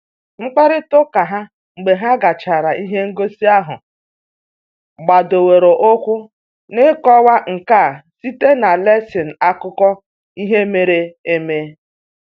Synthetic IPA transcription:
ŋ͡m̩˦k͡pa˦ɾɪ˦tʊ˦ka˨ɦa˦ | ŋ͡m̩˨ɡ͡be˨ɦa˦ɡa˨t͡ʃa˨ɾa˨ʔi˦ɦe˦ŋ̩˦ɡo˦si˦a˦ɦʊ̰˨ | ɡ͡ba˨do˨we˨ɾo˨ʔo˦kʷʊ˦ | nɪ˦kɔ˦wa˦ŋ̩˨ka˦˨si˦te˦na˨le˦sɪ˨n̩˨a˦kʊ˦kɔ˦ | i˦ɦe˦me˨ɾe˦e˦meː˦

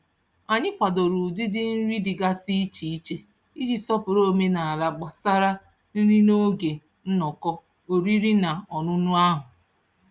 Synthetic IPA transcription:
a˨ɲɪ˦kʷa˨do˨ɾu˨dɪ˦dɪ˦n̩˦ɾi˦dɪ˨ɡa˦si˦i˦t͡ʃi˨i˦t͡ʃe˨ | i˦d͡ʒi˦sɔ˦pʊ˨ɾo˦me˦na˨a˨la˨ɡ͡ba˨sa˦ɾa˦ | n̩˦ɾi˦no˦ɡe˨ | n̩˦nɔ˨kɔ˦ | o˨ɾi˦ɾi˦na˨ɔ˨nʊ˦nʊ˦a˦ɦʊ˨

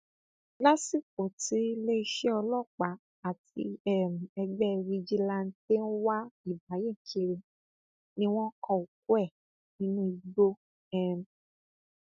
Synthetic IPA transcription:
la˦si˦˨k̚o˨ti˨˦le˦i˧ʃɛ˦ɔ˧lɔ˦˨k͡pa˨˦ | a˨tḭ˧˦ɛ˦˨m̩̃˨ɛ˧ɡ͡bɛ˦˧ɾi˧d͡ʒi˦la˧n̩˦te˦n̩˦wa˦i˦˨ba˨˦je˦˨ŋ̩˨kʰi˧˦ɾe˧ | nĩ˦w̃ɔ̃˦kʰɔ̃˧˨u˨k̚u˦ɛ˦˨ | ĩ˦nũ˦i˧ɡ͡bo˦ | ɛ˦m̩˨

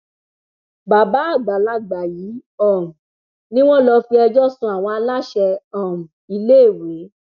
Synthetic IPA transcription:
ba˨ba˨˦a˦˨ɡ͡ba˨la˧ɡ͡ba˨jiː˨˦ɔ̃˦˨m̩̃˨ | nĩ˦w̃ɔ̃˦lɔ˧fi˧ɛ˧d͡ʒɔ˦sũ˧˦a˨w̃ɔ̃˧a˧la˦ʃɛ˧ɔ̃˨m̩˨ | i˧le˦˨we˨˦

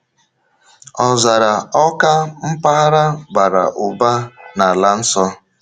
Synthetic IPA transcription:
ɔ˨za˨ɾa˨ɔ˦ka˦m̩˦pa˦ɾa˦ba˨ɾa̰˨ʔʊ˨ba˦na˨la˦n̩˦sɔ˦

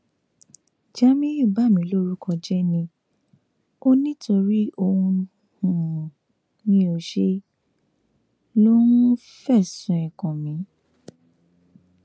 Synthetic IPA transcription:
d͡ʒa˦mĩ˦ju˦˨ba˦˨mĩ˨˦lo˦ɾu˦kɔ̃˧d͡ʒɛ˦nĩ˧ | o˦nĩ˦to˧ɾi˦o˧hũ˧ | hũ˨ | nĩ˦o˧ʃe˦ | lo˦nũ˦ | fɛ˦˨sũ˨ɛ˨kɔ̃˨mĩ˨˦

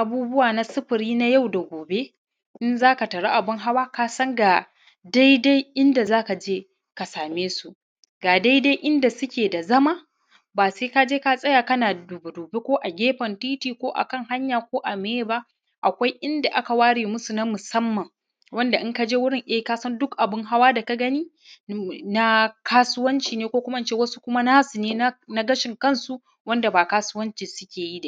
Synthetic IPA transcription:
ʔa˨buː˦bʊ˦waː˨na˦sɪ˦ɸɪ˨ɾiː˦na˦ja˦˨wda˨ɡʷoː˨be˦ | ʔɪ˦nzaː˦ka˨tɐ˨ɽa˦ʔa˨bɪ˦ŋɦa˦waː˦kaː˦sɐ˦ŋɡa˨ | da˦jda˦jʔɪ˦nda˨zaː˦ka˨d͡ʒeː˦ | ka˨saː˨meː˦su˦˨ʔ | ɡaː˨da˦jda˦jʔɪ˦nda˨sʊ˦kʲeː˨da˨zɐ˦maː˦ | baː˨seː˦ka˦d͡ʒeː˦ka˦sʼɐ˦jaː˨kɐ˦naː˨du˨bʊ˨duː˨be˦kʷoː˦ʔa˨ɡʲeː˦ɸɐ˨ntiː˦tiː˨kʷoː˦ʔa̰˨kɐ˦ŋɦa˦ɲjaː˨kʷoː˦ʔa˨meː˦ba˦ʔ | ʔa˨kʷa˦jʔɪ˦nda˨ʔa˦ka˨waː˦ɽeː˨mʊ˦su˨nɐ˦mʊ˨sɐ˦mːɐ˨ŋ | wɐ˦nda˨ʔɪ˦ŋka˦d͡ʒeː˦wʊ˦ɽɪ˦˨ŋʔe˦kaː˦sɐ˦ndʊ˦kʔa˨bɪ˦ŋɦa˦waː˦da˨ka˦ɡɐ˦niː˦ | na˦kaː˦sʊ˦wɐ˦nt͡ʃiː˨neː˦kʷoː˦kʷʊ˦ma˦ɪ˨t͡ʃeː˦wɐ˦su̥˦kʷʊ˦ma˦naː˦su˨neː˦n˦na˦ɡɐ˦ʃɪ˨ŋkɐ˦˨nsu˦ | wɐ˦nda˨baː˨kaː˦sʊ˦wɐ˦nt͡ʃiː˨sʊ̥˦kʲeː˨ji˦da˨

